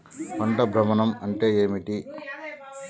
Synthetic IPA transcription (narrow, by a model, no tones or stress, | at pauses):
pɐɳʈɐbʱɾɐmɐnɐmɐɳʈeːeːmiʈi